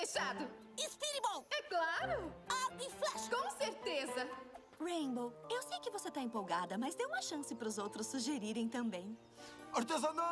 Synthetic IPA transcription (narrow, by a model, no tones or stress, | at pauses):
eʃad̪ʊ | ispiɾibõwɛklaɾʊaɡiflɛʃkõseɾt̪ezɐ | ʁẽj̃bowewsejkɪvoset̪aẽpowɡad̪ɐmɐzd̪ewũmɐʃɐ̃sɪpɐɾʊzowt̪ɾʊsːuʒeɾiɾẽj̃t̪ɐ̃mbẽj̃ | ɐɾt̪ezɐna